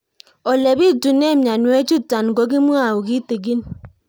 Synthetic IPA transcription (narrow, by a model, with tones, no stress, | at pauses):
o˨le˨bi˦tu˨ne˦˨mja˨nwe˦t͡ʃu˦ta˨n˨ɡo˨˦ɡi˦mu˦a˨wu˨ɡi˦te˨ɡi˦n